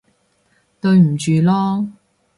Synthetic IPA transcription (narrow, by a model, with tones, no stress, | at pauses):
t̪ɵ˧ɥm̩˨˩t͡ʃyː˨˧lɔː˥